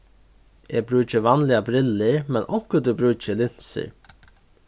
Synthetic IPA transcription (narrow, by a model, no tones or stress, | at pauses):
ɛːbɾʉːt͡ʃəʋanlɪabɾɪləɹmɛnʔɔkəd̪ʉbɾʉːt͡ʃəlɪn̥sə̰ɹ